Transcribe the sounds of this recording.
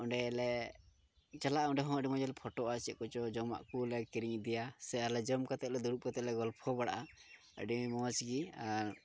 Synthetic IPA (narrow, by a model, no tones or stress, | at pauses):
ɔɳɖɛlɛ | t͡ʃalaʔaɔɳɖɛɦɔ̃əɖimɔ̃d͡ʒɛlpʰɔʈɔʔasit̪̚kɔt͡ʃɔd͡ʒɔma̰ʔkulɛkiɾiŋd̪ɛjasɛaɾlɛd͡ʒɔmkat̪ɛʔ̪̚lɛd̪ɔɾup̚kat̪ɛlɛɡɔlpʰɔbaɽa̰ʔa | ə̰ɖimɔt͡ʃɡiaɾ